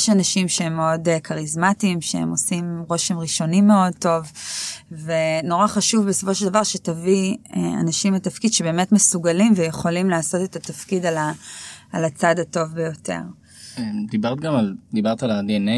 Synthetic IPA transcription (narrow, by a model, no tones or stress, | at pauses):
jeʃanaʃimʃeemːeodekʰaʁizmatimʃeḛmo̞simʁo̞ʃemʁiʃo̞nimːeo̞d̚to̞v | veno̞ʁaχaʃuvbeso̞fo̞ʃeld̪avaʁʃetaviea̰naʃimatafkid̪ʃebe̞ːmetmesuɡalimvejeχo̞limlaːso̞tetatafkidalaː | lat͡sadato̞vbejo̞tʰe̞̰ʁ | ed̪ibaʁt̪̚ɡamald̪ibaʁt̪alad̪iene